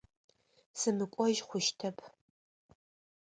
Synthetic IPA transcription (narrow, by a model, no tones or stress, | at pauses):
sɨmɨkʷʼɔʒχʷʊʃtʰɐpʰ